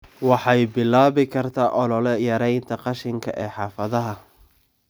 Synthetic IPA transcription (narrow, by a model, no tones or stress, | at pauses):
wɑħɑjbɪlːaːβɪkʰɐrt̪ʰaːʔɔlɔlɛjɐɾɛjnt̪ʰɐqɑʃɪŋkʰɐ̰ʔɛːħɑːfɐðɐɦɐ